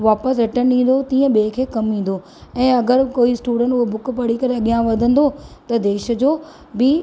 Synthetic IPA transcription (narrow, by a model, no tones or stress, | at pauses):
ʋaːpəsɾɪʈənɗĩːn̆d̪ot̪ĩːə̃ɓeːkʰeːkɐmʋĩːn̆d̪o | ɛ̃ːɐɡəɾkoːisʈuːɖə̃ɳʈʊɦobʊkpɐɽikɐɾeɐɠijãʋɐd̪ʱə̃nd̪ot̪ɐd̪eːʃə̆d͡ʑoː | bɪ